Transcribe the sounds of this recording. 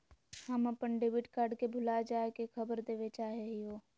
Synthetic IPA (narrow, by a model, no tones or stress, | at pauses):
həməpənɖebɪʈkaːɾɖkebʱʊlad͡ʒaːekekʰɐbəɾd̪eːʋet͡ʃaːɦeɦiɦoː